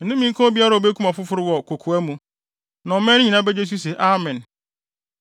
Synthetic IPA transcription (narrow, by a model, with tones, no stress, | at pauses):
n̩˨nʊ̃˦mĩ˦ŋ̩˦kʰɔ̃˦bi˦a˦ɾa˨o˨be˦kʰu˦mã˨fʊ˦fʊ˦ɾɪ˦wɔ˨kʰo˨kʰu˨æ˦mũ˨ | nã˨ɔ˨mɛ̃˦ɲĩ˨nã˦bɛ˦d͡ʑe˦s̬u˦s̬ɛ˨ʔa˦mɛ̃˨n